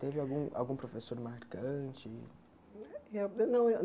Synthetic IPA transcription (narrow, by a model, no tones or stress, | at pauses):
t̪evɪawɡũʔa̰wɡũpɾofesoɾmaɾkɐ̃t͡ʃɪ | jɛnɐ̃w